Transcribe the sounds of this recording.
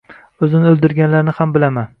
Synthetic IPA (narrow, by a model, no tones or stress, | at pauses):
ɵzɪnɪɵlˠd̪ɪɾɡʲanlaɾnɪhambɪlaman